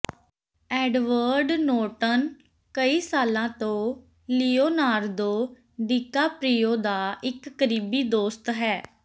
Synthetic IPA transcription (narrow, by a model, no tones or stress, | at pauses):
ɛːɖʋəɾɖnoːʈən | kəiːsaːlãːt̪õː | liːoːnaːɾd̪õː | ɖiːkaːpɾiːjoːd̪aːɪkːəɾiːbiːd̪oːst̪ɦɛː